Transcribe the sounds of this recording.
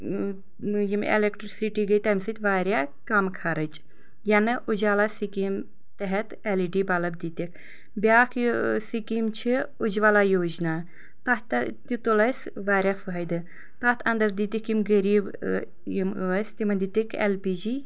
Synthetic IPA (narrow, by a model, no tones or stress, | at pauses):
jimḛlekʈɾsiʈiːɡɐjt̪ɐmʲsɨt̪ʲʋaːɾʲja | kɐmkʰɐɾɐt͡ʃ | jɐnɨʔud͡ʒʋalaːsikim | t̪ɐɦɛt̪eliɖiːbɐlɐbd̪it̪ikʰ | bʲaːkʰsikimt͡ʃʰiud͡ʒʋalaːjoːd͡ʒna | t̪ɐt̪t̪it̪ulɐs | ʋaːɾʲjafɨɦɐjd̪ɨ | t̪ɐt̪ʰɐnd̪ɐɾd̪it̪ikjimɡɐɾiːb | jimɐsʲt̪imɐnd̪it̪ikʰḛlpiːd͡ʒi